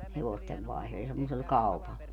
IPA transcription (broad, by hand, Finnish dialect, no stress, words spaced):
heʋosteʋ ʋɑihlo jɑ semːosel kɑu̞pɑl